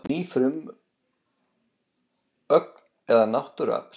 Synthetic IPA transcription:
niːfɾʏm | œk̚n | ɛðanawht̪ʏɾa̰ːp

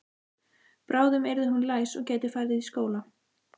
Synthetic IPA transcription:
pɾaːwðʏmɛɾðɪɦunlaːjsɔɣcɛːjt̪ɪfajɾðɪðiskoːwla

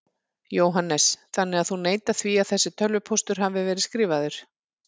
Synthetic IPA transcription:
joːwɦanːɛsθanːɪɣaðθuneːjt̪aθviaðθɛsːɪt̪ʰœlvʏpʰowst̪ʏɾ̥ɦavɪvɛːɾɪskɾiːvaðʏɾ̥

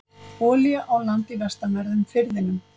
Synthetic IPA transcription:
pɔːliaʔawlant̪ivɛst̪amɛɾðʏmfɪɾðɪnʏm

